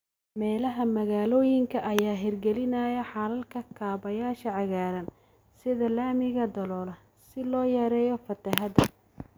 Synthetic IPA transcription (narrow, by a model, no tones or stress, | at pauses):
mɛːlɐɦɐmɐɣaːlɔːjɪŋkʰɐʔɐjaːɦɪrɡɛlɪnɐːjɐħɑlɐlkʰɐkʰaːβɐjaːʃɐʕɑɣaːɾɐn | sɪðɐlaːmɪɣɐd̪ɐlɔːlɐ | sɪlɔːjɛɾɛːjɔfɐt̪ʰɐɦɐd̪ɐ